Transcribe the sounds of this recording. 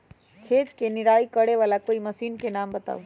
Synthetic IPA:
kʰeːt̪kenɪɾaːikəɽeʋaːlakoːimɐsiːnkenaːmbət̪a̰ːu

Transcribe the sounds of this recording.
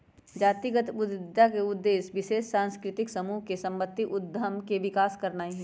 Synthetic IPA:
d͡ʒaːt̪iɡət̪ʊd̪akeʊd̪ːeːʃʋɪʃeːʃsãːnskɾɪt̪ɪksɐmuːɦkesɐ̃mbət̪ːiʔʊd̪ʱəmkeʋɪkaːskɐɾnaːiɦɛ̃ː

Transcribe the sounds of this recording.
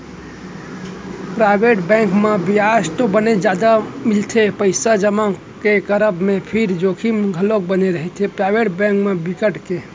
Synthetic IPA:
pɾaɪbeʈbɛ̃ŋkmebiast̪obəned͡ʒad̪amilt̪ʰepəɪsad͡ʒəma | kekəɾəbmẽpʰiɾd͡ʒokʰimɡʱəlok̚bəneɾəɦɛt̪ʰepɾaɪbeʈbɛ̃ŋkmẽbikəʈke

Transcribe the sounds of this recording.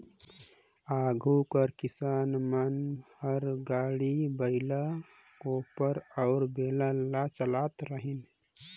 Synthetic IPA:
aːɡʱukəɾkɪsaːnmənhəɾɡaːɽibəɪla | oːpəɾɔʊɾbeːlalat͡ʃəlaːt̪ɾəɦin

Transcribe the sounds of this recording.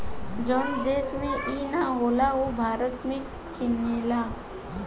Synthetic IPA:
d͡ʒɔnd̪eːsmẽʔiːnaɦoːlaobʱaːɾət̪mẽ | kʰɪnjeːlaː

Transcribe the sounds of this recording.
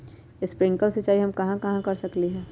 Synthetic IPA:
ɪspɾɪ̃ŋkəlset͡ʃaːiɦɐmkɐɦãkɐɦãkɐɾsɐkliɦɛː

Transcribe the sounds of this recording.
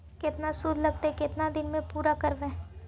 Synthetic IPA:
kɪt̪nasuːɾlɐɡ̚t̪ekɪt̪nad̪ɪnmẽpuːɾakɐɾbẽː

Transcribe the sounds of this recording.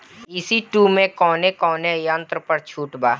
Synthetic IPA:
isiʈumẽkɔːnekɔːnejãːnt̪ɾəpəɾt͡ʃʰuːʈbaː

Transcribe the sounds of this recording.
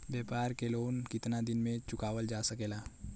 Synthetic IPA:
bjeːpaːɾkeloːnkɪt̪nad̪ɪnmẽt͡ʃʊkaːʋəld͡ʒaːsɐkeːlaː

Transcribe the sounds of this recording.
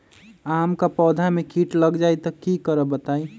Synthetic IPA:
amkapɔd̪ʱamekiʈləɡd͡ʒajt̪əkikəɾəbət̪aj

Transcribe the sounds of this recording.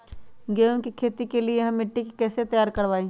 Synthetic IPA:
ɡeːʊnkikʰeːt̪ikelieɦɐmɪʈːɪkːɛːset̪ɐjaːɾkɐɾʋaːĩː

